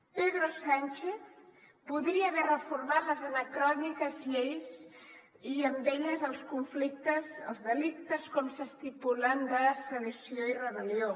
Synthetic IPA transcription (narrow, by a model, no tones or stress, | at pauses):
peðɾosant͡ʃeθ | puðɾiəːβɛrəfurmat̪ləzənəkɾɔnikəzʎejz | iəmbɛʎəzəlˠskuɱflikt̪əzə̰lˠzðəlik̚t̪əskɔmsəst̪ipuland̪əsələsioirəβəlio